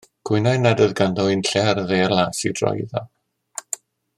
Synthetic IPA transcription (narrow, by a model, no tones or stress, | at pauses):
ɡ̥ʰwʊjnajnadəðɡandɔɪnɬɛrðejərlˠaːsid̥rɔ̰jða